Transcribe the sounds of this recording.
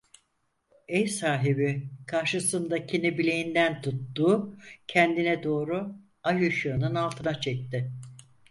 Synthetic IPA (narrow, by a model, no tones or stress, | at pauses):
ɛjsaːɦibikʰaɾʃɯsɯnd̪acʰinibilʲejind̪ænt̪ʰut̪ːuːcʰɛnd̪inɛd̪o̞ːɾu | ajuʃɯnɯnalˠt̪ʰɯnat͡ʃʰɛc̚t̪ɪ